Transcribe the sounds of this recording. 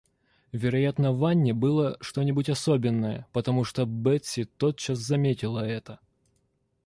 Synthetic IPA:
vʲɪɾɐjat̪nəvanʲːɪbɨlˠəʂt̪o̞nʲɪbʊtʲɐsobʲɪnːəjə̰pət̪ɐmuʂt̪obɛt̪ʲsʲɪt̪ot̪̚t͡ɕaszɐmʲetʲɪlˠəɛt̪ə

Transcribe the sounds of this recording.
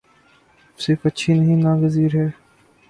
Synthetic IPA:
sɪɾfɐtːʃʰinəɦĩnãːɡəziːɾɦɛː

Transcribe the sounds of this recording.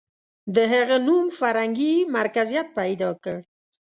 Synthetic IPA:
d̪əɦaɣenumfaɾhaŋɡimaɾkazijat̪̚pajd̪ɑkəɽ

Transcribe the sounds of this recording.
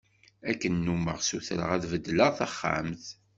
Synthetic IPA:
ækːənːuməʁsuθɾə̰ʁæðvəd̪ːləʁθaχːa̰mθ

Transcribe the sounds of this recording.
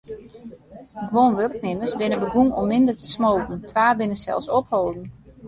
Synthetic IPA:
ɡʋonʋørk̚nɪməsbɪnəbəɡuŋɔmːɪndərtə̥smowkn̩tʰʋaːbɪnəsɛ̰lˠsɔphoːdn̩

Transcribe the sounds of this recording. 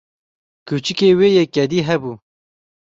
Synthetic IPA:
kut͡ʃikeːweːjekɛd̪iːɦɛbuː

